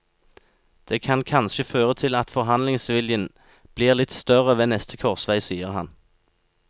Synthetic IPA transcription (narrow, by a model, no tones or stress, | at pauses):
d̪̥eːkʰɑnkʰɑnʃəføːʁət̪ʰɪlɑt̪fɔʁɦɑnlɪŋsʋɪljən | b̥liːʁlɪt̪st̪œʁəʋeːnɛst̪ʰəkʰɔʁsʋæɪsiːəʁhɑn